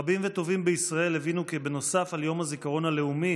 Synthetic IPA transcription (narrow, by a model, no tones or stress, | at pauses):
abimvet̪o̞vimbeisʁae̞levinukebe̞no̞safaljo̞mazikaʁo̞nale̞umi